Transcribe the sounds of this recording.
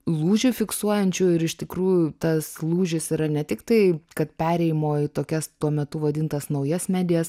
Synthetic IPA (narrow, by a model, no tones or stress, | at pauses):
lˠuːʒʲʊfʲɪksuɔjɛnʲt͡ʃʲʊɪɾɪʃt̪ʲɪkɾuːjʊt̪ɐslˠuːʒʲɪsiːɾɐnʲɛt̪ʲɪkt̪ɐɪkɐt̪pʲæːɾʲɛɪjɪmoːɪt̪oːkʲɛst̪uɔmʲɛt̪ʊʋɐd̪ʲɪnt̪ɐsnɐʊjɛsmʲæːd̪ʲɪjɛs